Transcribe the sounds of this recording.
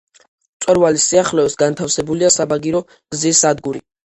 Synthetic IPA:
t̪sʼɛɾvalisiaχlɛɔsɡant̪ʰafsɛbuliasabaɡiɾɔ | ɡ̥zisːad̪ɡuɾi

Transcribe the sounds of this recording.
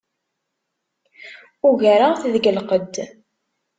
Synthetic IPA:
ʊʝaɾaʁθðɡəlqəd̪

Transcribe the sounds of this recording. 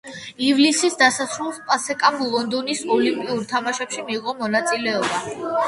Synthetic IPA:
ivlisisd̪asasʰɾulˠspʼasɛkʼamlˠɔnd̪ɔnisɔlimpʼiuɾt̪ʰamaʃɛpʃimiːʁɔmɔnat̪sʼilɛɔba

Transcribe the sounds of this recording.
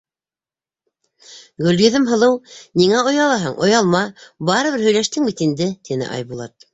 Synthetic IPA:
ɡɵ̆ljɵ̆ðɘmɦɤ̆lˠɤwniŋæŏjɑlˠɑɦɤɴʔŏ̰jɑlˠmɑbɑɾɤ̆βɘɾhɵ̆jlæʃt̪ɘŋbit̪ind̪ɘt̪inɘ̰ʔɑ̰jβulˠɑ̰t̪̚

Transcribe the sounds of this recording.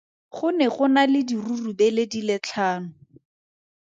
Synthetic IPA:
χʊnɛχʊnalɪdirurubɛledilɪt͡ɬʰaːnʊ

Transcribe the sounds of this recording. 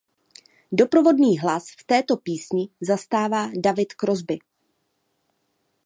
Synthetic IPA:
do̞pɾo̞vo̞dniːɦlasft̪ɛːt̪o̞piːsɲɪzast̪aːvaːdavɪt̪kɾo̞zbɪ

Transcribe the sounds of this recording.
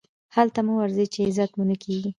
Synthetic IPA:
halt̪amuwaɾzət͡ʃeɪzat̪munəkʰeɡi

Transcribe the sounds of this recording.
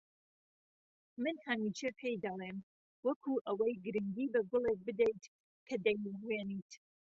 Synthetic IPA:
mɨnhɐmit͡ʃepʰejd̪ɐlˠem | wɐkʰuʔɐwɐjɡɨɾɨŋɡiːbɐɡʊlˠek̚bɨd̪ejt̪ | kʰɐd̪ɐjwenit̪

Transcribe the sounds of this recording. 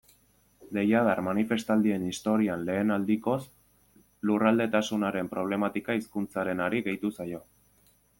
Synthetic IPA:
d̪e̞jað̞armanife̞st̪ald̪ie̞nist̪o̞ɾianle̞ːnald̪iko̞s | lurald̪e̞t̪asunaɾe̞mpɾo̞β̞le̞mat̪ikaiskunt͡saɾe̞naɾiɣe̞jt̪usajo̞

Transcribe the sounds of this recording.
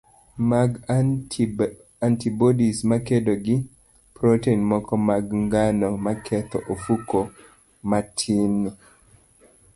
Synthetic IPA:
ɡ | antibɔdismakedoɡɪ | pɾoteinmɔkɔmaɡŋɡanɔmakʰɛt̪ɔʔofuko | matʰin

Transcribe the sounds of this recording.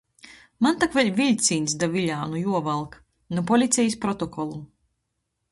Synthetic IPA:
mant̪akvɛlʲvʲilʲt̪sʲiːnʲsd̪avʲilʲaːnujuɔvalˠk | nupɔlʲit̪sʲɛjispɾɔt̪ɔkɔlˠu

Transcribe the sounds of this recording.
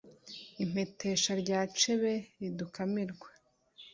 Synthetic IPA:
im̥e̞tʰe̞ʃaɾɟaːt͡ʃe̞βe̞ɾidukamiɾɡwḁ

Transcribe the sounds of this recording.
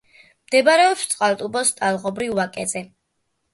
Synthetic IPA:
md̪̥ɛbaɾɛɔpst̪sʼqʼalˠt̪ʼubɔst̪ʼalˠʁɔbɾivːakʼɛzɛ

